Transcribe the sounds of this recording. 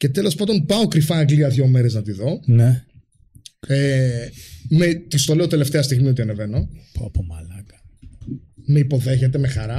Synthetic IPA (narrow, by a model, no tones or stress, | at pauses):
ce̞t̪e̞lo̞spɐd̪o̞npɐo̞kɾifɐːɡliɐðʝo̞meɾe̞znɐt̪iðo̞ne | e | met̪ist̪o̞le̞o̞t̪e̞le̞ft̪eɐst̪iɣmio̞t̪iɐneve̞no̞popomɐlɐkɐ̥ | meipo̞ðe̞çet̪e̞mexɐɾɐ